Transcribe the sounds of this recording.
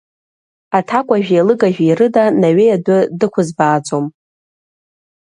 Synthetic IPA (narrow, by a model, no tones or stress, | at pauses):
atʰakʷʼaʒᶣalɨɡaʒᶣirɨdanaɥejadʷʊdɨkʷʰʊzbaːt͡sʼom